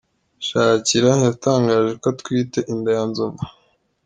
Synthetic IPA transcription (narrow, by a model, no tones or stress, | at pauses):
ʃaːciɾajataːŋɡaːʒe̞ko̞tkwiːte̞ʔindajanzova